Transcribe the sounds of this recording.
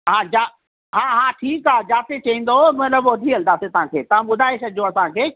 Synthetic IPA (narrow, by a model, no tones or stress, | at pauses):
ɦãːd͡ʑaː | ɦãːɦãːʈʰiːkaːd͡ʑaːt̪et͡ɕɐĩːn̆d̪omɐt̪ləbɐd̪ʱiɐld̪aːset̪ɐʋ̤ɦãkʰeːt̪ɐʋ̤ãɓʊd̪ʱaːesɐd͡ʑʱoɐsãkʰeː